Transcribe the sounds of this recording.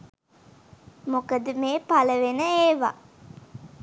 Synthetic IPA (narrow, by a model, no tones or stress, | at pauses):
mokəd̪əmeːpaləʋenəeːʋa̰